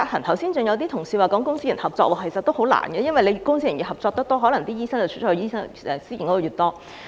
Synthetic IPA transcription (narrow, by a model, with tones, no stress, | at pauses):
aː˧k̚hɐ˨˩nt̪ʰɐ˨˩wsiː˥nt͡sʊ˨˧ŋjɐ˨˧wt̪iː˥t̪ʰʊ˨˩ŋsiː˧waː˨kɔː˨˥ŋkʊ˥ŋsi˥jɐ˨˩nhɐ˨p̚t͡sɔː˧k̚wɔː˨˩kʰe˨˩sɐ˨t̪ːo˥who˨˥wla̰ː˨˩nɡɛː˧jɐ˥nwɐ˨jle˨˧jkʊ˥ŋsi˥jɐ˨˩nji˨˩hɐ˨p̚t͡sɔː˧k̚t̪ɐ˥t̪ɔː˥ɦɔː˨˥lɐ˨˩ŋt̪iː˥jiː˥sɐ˥ŋt͡sɐ˨wt͡ʃ̚ʰːiː˥sɐ˥ŋɛ˨˧siː˥˩˨nkɔ˨˥o˨˧˩jyː˨˩t̪ɔː˥